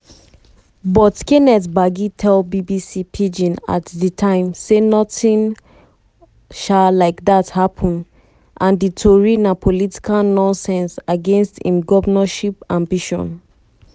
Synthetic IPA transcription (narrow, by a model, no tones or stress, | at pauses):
bɔtkenɛtbaɡitʰɛlbibisipʰid͡ʒĩna̰tditʰãɪ̃msenɔtĩn | ʃallaɪkdathapʰɔ̃n | ʔãnditʰoɹinapʰoliti̥kʰalnɔ̃nsɛ̃nsaɡẽnstḭ̃mɡɔvnaʃipãmbiʃɔ̰̃n